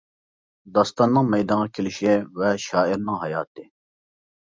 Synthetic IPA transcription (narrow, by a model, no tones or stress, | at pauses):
d̪ɑst̪ɑnːɨŋmɛjd̪ɑnʁɑkʰʲeliʃewɛʃɑːiɾnɨŋɦɑjɑːt̪ɪ